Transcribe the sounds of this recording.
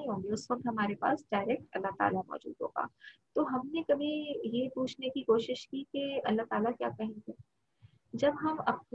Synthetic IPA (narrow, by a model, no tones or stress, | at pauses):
ɦõːŋɡiʊsʋɐk̚t̪ɦɐmaːɾepa̰ːsɖaːɪɾɛk̚ʈɐ̰lːaɦt̪a̰ːlamɔ̰ːd͡ʒṵːd̪ɦo̰ːɡa̰ːt̪oːɦɐmnekɐbʱijepuːt͡ʃʰnekikoːʃɪʃkikeɐlːaɦt̪aːlakja̰ːkɐɦẽɡeː | d͡ʒɐbɦɐmɐp̚n